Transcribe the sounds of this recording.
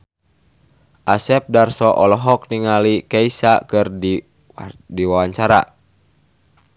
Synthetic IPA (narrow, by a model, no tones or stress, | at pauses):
ʔasɛp̚darsɔʔɔlɔɦɔk̚niŋalikɛisakɨrdi | diwawaɲt͡ʃaɾa̰